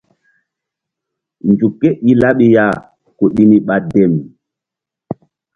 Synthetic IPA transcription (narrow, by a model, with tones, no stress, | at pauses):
nd͡ʒu˨kːe˦ʔi˦la˦ɓi˦ja˨ | ko˨ɗi˦ni˨ɓa˨dɛ˨m˨